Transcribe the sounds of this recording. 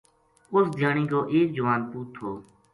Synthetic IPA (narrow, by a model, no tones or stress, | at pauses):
ʊsd̪ʱjaːɳiːkoːʔeːk̚d͡ʒəʋaːnpuːt̪ʰːoː